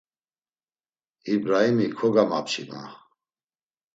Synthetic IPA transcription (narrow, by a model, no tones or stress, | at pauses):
ibɾaimikʰɔɡamapt͡ʃʰḭma̰